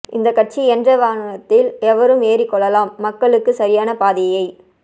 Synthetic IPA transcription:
ʔɪ̰nd̪ɐkːɐʈ̚t͡ʃiɛndrɐʋaːnnɐt̪ːɪlɛʋɐɾɯmeːrikːɔɭːɐlaːmːɐkːɐɭɯkːɯsɐɾɪjaːnɐpaːðɪjɐjɐɪ

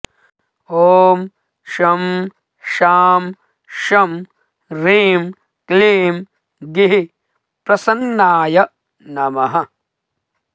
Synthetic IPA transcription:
oːm | ʃɐm | ʃaːm | ʃɐm | ɾiːm | kliːm | ɡiɦi | pɾɐsɐnːaːjɐ | nɐmɐɦɐ

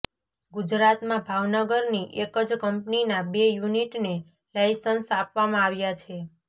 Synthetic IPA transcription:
ɡud͡ʒɾat̪mãbʱaʋnəɡəɾniʔekəd͡ʒkəmpninabejuniʈne | lajsənsapʋamãaʋjat͡ʃʰe

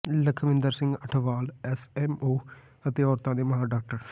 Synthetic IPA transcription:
ləkʰmɪ̃nd̪əɾsɪ̃ŋɡəʈʰʋaːlɛːsɛːmoː | ət̪eːɔːɾt̪ãːd̪eːməɦaːɖaːk̚ʈəɾ

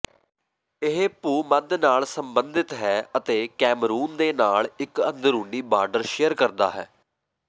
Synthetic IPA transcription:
ɪɦeːpuːməd̪naːlsəmbənd̪ɪt̪ɦɛːət̪eːkɛːmɾuːnd̪eːnaːlɪkənd̪əɾuːniːbaːɾɖəɾʃejəɾkəɾd̪a̰ːɦɛː

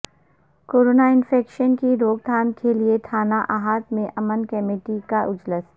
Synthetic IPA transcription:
koːɾoːnaɪnfeːkʃənkiɾoːɡ̚d̪ʱaːnkeliet̪ʰaːnaʔaːɦaːt̪mẽʔɐmənkɛmeːʈikaʔʊd͡ʒləs

